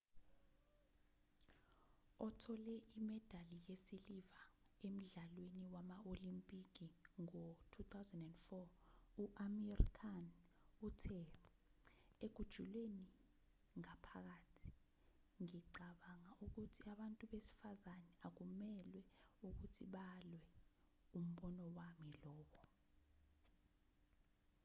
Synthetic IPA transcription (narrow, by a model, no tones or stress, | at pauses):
ɔtʰɔlɛʔimɛd̥ʱalijesilivaem̩ɮalweniwamaʔolimpʼik̬iŋɔtʰut̪ʰawzɛndɛndfɔ | uʔamɛrḭkʰanutʰɛ | eɡ̥ʱud̥ʒ̥ʱulweni | ŋapʰak̬aːtʰi̥ | ŋiǀaɓaŋaʔuk̬utʰiaɓantʼuɓesi̥fazanɛak̬umɛlwɛuk̬utʰiɓalwɛ | um̩ɓɔnɔwamilɔːɓɔ